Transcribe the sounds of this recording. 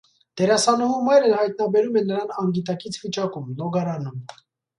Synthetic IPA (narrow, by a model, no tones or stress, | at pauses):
d̪̥ɛɾɑsɑnuɦumɑjɾəhɑjt̪̚nɑbɛɾumɛnːəɾɑnɑŋɡit̪̬ɑkit͡sʰvit͡ʃɑkumlɔɡɑɾɑnum